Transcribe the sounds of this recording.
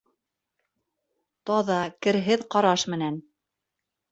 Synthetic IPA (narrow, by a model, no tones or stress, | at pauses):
t̪ɑðɑkɘ̆ɾɦɘðqɑɾɑʃmɘ̆næn